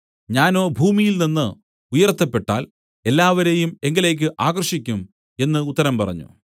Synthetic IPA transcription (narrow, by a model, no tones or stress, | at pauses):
ɲaːno̞ːbʱuːmijilninːɨ | ujɐrt̪ːɐpːe̞ʈːa̰ːl | e̞lːaːʋɐɾejume̞ŋɡɐle̞ːk̬ʲːɨʔaːɣɐrʂikʲːum | e̞nːɨut̪ːɐɾɐmpɐrɐ̰ɲːṵ